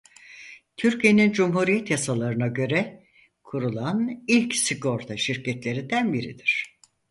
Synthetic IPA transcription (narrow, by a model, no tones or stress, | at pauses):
t̪ʰyɾcʰije̞nind͡ʒumhuɾijɛt̪jasalˠaɾɯnaɟø̞ɾɛ | kʰuɾulˠanilʲcsiɡo̞ɾt̪ʰaʃiɾcʰɛt̪lʲe̞ɾind̪ænbiɾḭd̪iɾ̝̥